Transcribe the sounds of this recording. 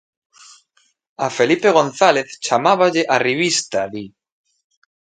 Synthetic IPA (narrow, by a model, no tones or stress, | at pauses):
afelipeɣ̞onθaleθt͡ʃamaβaʎeʔariβist̪aði